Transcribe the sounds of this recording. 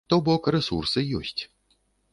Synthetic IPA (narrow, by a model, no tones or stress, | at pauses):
t̪ɔwbɔkrɛsursɨjɔsʲt͡sʲ